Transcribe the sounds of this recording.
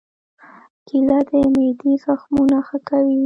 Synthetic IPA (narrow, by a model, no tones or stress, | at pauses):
kilad̪əmed̪izaxmunaxəkawi